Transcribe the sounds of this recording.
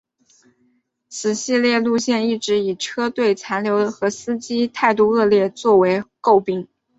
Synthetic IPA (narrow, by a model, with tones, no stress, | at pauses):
t͡sʰɹ̩˨˩ɕi˥˧ljɛ˥˧lu˥˧ɕjɛ˥˧ni˥˩ʈ͡ʂɻ̩˧˥i˨˩ʈ͡ʂʰɤ˥t̪we˥˩ɪt͡sʰa˧˥nljo˧˥ʊə˧xɤ˧˥sɹ̩˥t͡ɕi˥t̪ʰa˥˧ɪt̪̬u˥˧ɤ˥˧ljɛ˥˧t͡swɔ˥˩we˧˥ɪko˥˩ʊpi˥ŋ